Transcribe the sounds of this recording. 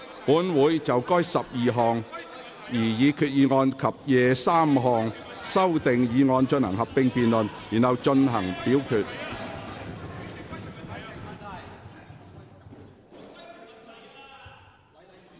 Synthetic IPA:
puː˨˥nwuː˨˥jt͡sɐ˨wkɔː˥jsɐ˨p̚jiː˨ɦɔː˨˧ŋ | jiː˨˩jiː˨˧kʰyː˧t̚jiː˨˧ŋɔː˧nkʰɐ˨p̚jɛː˨˧saː˥mɦɔː˨ŋ | sɐ˥wt̪ɪ˨ŋjiː˨˧ŋɔː˧nt͡ʃɵ˧nhɐ̰˨˩ŋɦɐ˨p̚pɪ˧ŋpiː˨nlɵ˨˩njiː˨˩nhɐ˨˧wt͡ʃɵ˧nɦɐ˨˩ŋpiː˨˥wkʰyː˧t̚

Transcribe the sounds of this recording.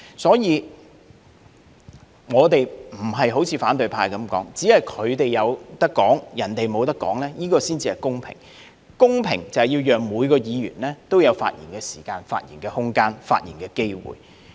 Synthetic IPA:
sɔː˨˥jiː˨˧ | ŋɔː˨˧t̪e˨jm̩˨˩ɦɐ˨jɦo˨˥wt͡sʰiː˧faː˨˥nt̪ɵ˨ɥpʰaː˧jkɐ˨˥mkɔː˨˥ŋt͡si˨˥hɐ˨jkʰɵ˨˧ɥt̪e˨jɐ˨˧wt̪ɐ˥kːɔː˨˥ŋjɐ˨˩nt̪e˨jmo˨˧wt̪ɐ˥kːɔ̰ː˨˥ŋlɛː˥jiː˥kɔː˧siː˥nt͡si˧ɐ˨˩jkʊ˥ŋpʰɪ̰˨˩ŋ | kʊ˥ŋpʰɪ̰˨˩ŋt͡sɐ˨˩whɐ˨jiː˧wjœː˨ŋmuː˨˧jkɔː˧jiː˨˧jy̰ː˨˩nlɛː˥t̪o˥wjɐ˨˧wfa̰ː˧t̚jiː˨˩nkɛː˧siː˨˩kaː˧nfa̰ː˧t̚jḭː˨˩nkɛː˧hʊ˥ŋkaː˥nfaː˧t̚jiː˨˩nkɛː˧ke˥jwṵː˨˩j

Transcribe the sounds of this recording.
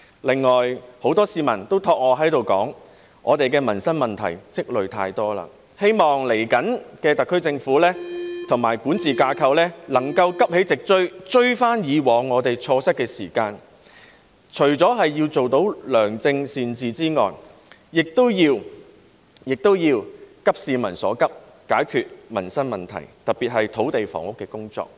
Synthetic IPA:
lɪ˨ŋːɔː˨˩jho˨˥wt̪ɔː˥siː˧mɐ˨˩nt̪o˥wt̪ʰɔː˧k̚ŋɔː˨˧ɦɐ˨˥jt̪o˨wkɔ̰ː˨˥ŋ | ʔɔː˨˧t̪e˨jkɛː˧mɐ˨˩nsɐ˥nmɐ˨˩nt̪ʰɐ̰˨˩jt͡sɪ˥k̚lɵ˨ɥt̪ʰa̰ː˧jt̪ɔː˥la̰ː˧ | he˥jmɔː˨ŋle˨˩jkɐ˨˥nkɛː˧t̪ɐ˨kʰːɵ˥ɥt͡sɪ˧ŋfuː˨˥lɛː˥t̪ʰʊ˨˩ŋmaː˨˩jkuː˨˥nt͡sʰiː˨kaː˧kʰɐ˧wlɛː˥lɐ˨˩ŋkɐ˧wkɐ˥p̚he˨˥jt͡sɪ˨k̚t͡ʃɵ˥ɥt͡ʃɵ˥ɥfaː˥njiː˨˧wɔː˨˧ŋːɔː˨˧t̪e˨jt͡ʃʰɔː˧sɐ˥t̚kːɛː˧siː˨˩kaː˧n | t͡ʃʰɵ˨˩ɥt͡sɔː˨˥ɦɐ˨jjiː˧wt͡so˨wt̪o˨˥wlœː˨˩ŋt͡sɪ˧ŋsiː˨nt͡siː˨t͡siː˥ŋɔ̰ː˨j | jɪ˨k̚t̪o˥wjiː˧w | jɪ˨k̚t̪o˥wjiː˧wkɐ˥p̚siː˧mɐ̰˨˩nsɔ̰ː˨˥kɐ˥p̚ | kaː˨˥jkʰyː˨t̚mɐ̰˨˩nsɐ˥nmɐ˨nt̪ʰɐ̰˨˩jt̪ɐ˨˩t̚piː˨t̚ɦɐ˨jt̪ʰo˨˥wt̪e˨jfɔ̰ː˨˩ŋʊ˥kːɛː˧kʊ˥ŋt͡sɔ̰ː˧k̚

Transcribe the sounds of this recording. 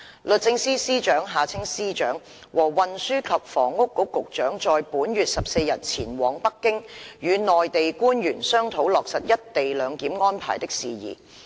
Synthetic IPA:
lɵ˨t̚t͡sɪ˧ŋsiː˥siː˥t͡ʃœː˨˥ŋɦaː˨t͡sʰɪ˥ŋsiː˥t͡ʃœː˨˥ŋ | wʔɔː˨˩wɐ˨nsyː˥kʰɐ˨p̚fɔ̰ː˨˩ŋːʊ˥kːʊ˥kːʊ˨k̚t͡ʃœː˨˥ŋt͡ʃɔː˨jpuː˨˥njyː˨t̚sɐ˨p̚se˧jɐ˨˩t̚t͡sʰiː˨˩nwɔː˨˥ŋpɐ˥kːɪ˥ŋjyː˨˧nɔː˨jt̪e˨jkuː˥njyː˨˩nsœː˥ŋt̪ʰo˨˧˥wlɔː˨k̚sɐ˨t̚jɐ˥t̚t̪e˨jlœː˨˧ŋkiː˨˥mŋɔː˥npʰa̰ː˨˩jt̪ɪ˥k̚siː˨jḭː˨˩

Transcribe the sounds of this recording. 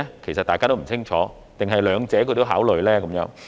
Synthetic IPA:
kʰe˨˩sa˨t̪aː˨jkaː˥o˥˩˨t͡ɕɪ˥ŋt͡ɕʰɔː˨˦ | t̪ɪ˨˩ŋɦa˨˩jlœː˨˩˦ŋt͡ɕɛː˨˦kɵ˨˧jt̪o˥wɦaː˨˥wlə˨˩jlɛː˦˥kʊ˨˦mjɔ̰ː˨˧˦

